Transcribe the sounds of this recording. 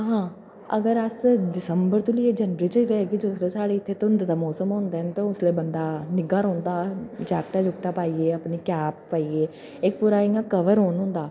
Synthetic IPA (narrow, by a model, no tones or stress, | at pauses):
ɦãː | əɡəɾəsdɪsəmbəɾt̪uliːeːd͡ʒənʋəɾiːt͡ʃət̪oɦɛːkid̪ʊːsɾeːsaːɽeːɪt̪ʰːeːt̪ːnd̪eːd̪aːmɔːsəmɦõːnd̪eːɛnt̪õʊsleːbənd̪aːnɪɡaːɾɔ̃ːnd̪aːd͡ʒaːkʈaːd͡ʒʊkʈaːpaːiːeːəpniːkɛːp̚ːaːiːeː | ɪk̚puːɾaːɪ̃ãkəʋəɾɦoːnɦʊ̃nd̪aː